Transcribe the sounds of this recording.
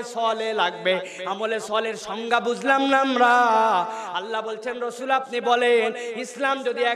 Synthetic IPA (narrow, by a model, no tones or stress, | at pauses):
sɔlelaɡbe | amolesɔleɾʃɔŋɡabud͡ʑʱlamnamɾa | alːabolt͡ʃʰenɾosulap̚nibɔlenislamd͡ʒod̪iɛ